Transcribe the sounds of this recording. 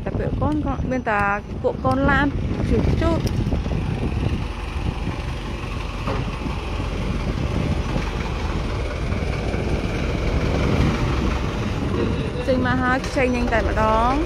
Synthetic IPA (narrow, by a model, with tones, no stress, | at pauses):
nt̪a˨˩pḭ˧əʔko˧nkonmi˧ənt̪aː˨˩ | ku˧˩əʔkoː˧nlaː˧nt͡ɕʰi˨˩ət͡ɕuː˧t̪̚ | t͡ɕə˧ŋmaː˧ɦa˧jkʰt͡ɕə˧jŋɲɨ˧ŋt̪a˨˧˩mə̆˩ɗɑː˧ŋ